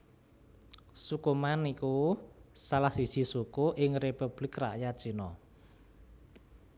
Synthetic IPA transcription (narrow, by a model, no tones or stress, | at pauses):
sukumanikusalahsisisukuʔɪŋrepub̥lɪkra̰ʔjat͡ʃinɔ